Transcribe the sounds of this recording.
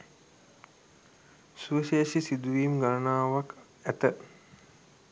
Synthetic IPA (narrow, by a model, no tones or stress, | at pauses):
suʋəʃeːsisid̪uʋiːmɡaɾənaːʋak | æt̪ə